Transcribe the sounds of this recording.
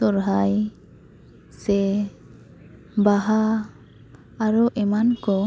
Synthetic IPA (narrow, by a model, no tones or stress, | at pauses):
ɔɾɦaj | sɛ | baɦa | ɾɔʔɛmankɔ